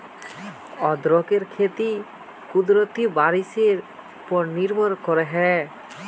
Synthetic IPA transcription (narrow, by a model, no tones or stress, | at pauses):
ɔd̪ɾɔkeɾkʰet̪i | kud̪ɾot̪ibaɾiseɾ | pɔɾniɾbʱɔɾkɔɾeɦɛ